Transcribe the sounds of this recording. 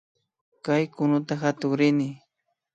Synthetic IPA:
kajkʊnʊt̪axat̪ʊŋɾɪnɪ

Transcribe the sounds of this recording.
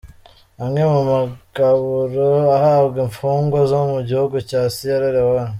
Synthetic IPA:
aŋemumaɡ̥aβuɾoahabɡeɱfuːŋɡozomuɟihuɡucaːsijoɾeɾewa

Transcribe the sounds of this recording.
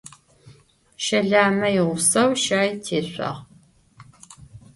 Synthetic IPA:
ʃɐɮaːmɐjɪʁʷʊsɐwʃaːjtʰeːɕʷɐ̰ʁ

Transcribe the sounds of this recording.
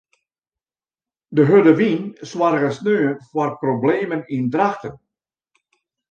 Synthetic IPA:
dəɦødəʋinswarɣəsnøːənfwarprobleːmənindraxtən

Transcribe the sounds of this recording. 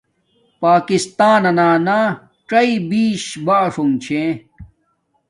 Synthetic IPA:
paːkist̪aːnɐnaːna | ʈ͡ʂɐibiːɕbaʂuŋt͡ɕʰẽ

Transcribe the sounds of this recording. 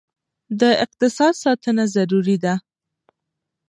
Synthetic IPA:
d̪əɪq̚t̪ɪsɑd̪sɑt̪ənazaɾuɾid̪a

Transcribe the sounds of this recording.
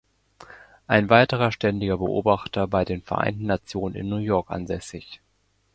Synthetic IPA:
ʔaɪnvaɪtəʁ̞ɐʃtɛndɪɡɐbəʔo̰ːbaχtɐbaɪdeːnfɛɐʔa̰ɪntn̩ːat͡sjoːnənɪ̰nːuːɐjɔɐkʔa̰nzɛsɪç

